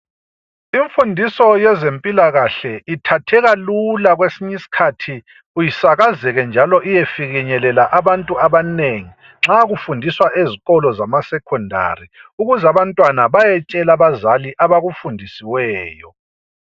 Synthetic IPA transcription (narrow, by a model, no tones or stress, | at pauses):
iɱfundʱisɔjɛzempʼilaɣaɬɛitʰatʰɛɣalulaɣwesiɲisi̥kʰatʰi | ujisaɣazɛɣɛnd͡ʒʱalɔʔijɛfiɣiɲɛlɛlaʔaβantʼuaβaneŋi | ŋ͡ǁaɣufundʱiswaʔeziɣɔlɔzamasɛkʰɔndʱa̰riuɣuzaβantʼwanaβajɛt͡ʃʼɛlaβazaliʔaβaɣufundʱisiwɛːjɔ̰